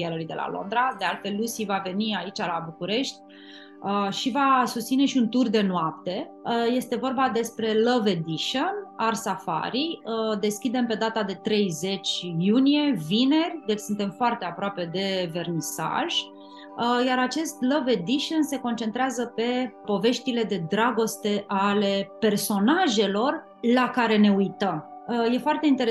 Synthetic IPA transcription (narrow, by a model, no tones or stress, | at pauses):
ialəlujd̪elʔa̰lo̰nd̪ɾad̪e̞alt̪fe̞lːusivave̞niait͡ʃalabukuɾe̞ʃt̪ʲ | əʃivasust̪sine̞ʃiunt̪urd̪e̞noap̚t̪e̞ | je̞st̪e̞vo̞rbad̪e̞spɾe̞ləved̪iʃonarsafa̰ɾiəd̪e̞skʲid̪e̞mpe̞d̪at̪ad̪e̞t̪ɾe̞jze̞t͡ʃʲjunije̞vine̞rʲd̪e̞t͡ʃsunt̪e̞mfoart̪e̞apɾoape̞d̪e̞ve̞rnisa̰ʒ̥ | əjaɾat͡ʃe̞st̪ləve̞d̪iʃonse̞ko̞nt͡ʃe̞nt̪ɾeazəpe̞po̞ve̞ʃt̪ile̞d̪e̞d̪ɾaɡo̞st̪e̞ʔale̞pe̞rso̞naʒe̞lo̞r | lakaɾe̞ne̞ujt̪əm | əje̞foart̪e̞int̪eɾ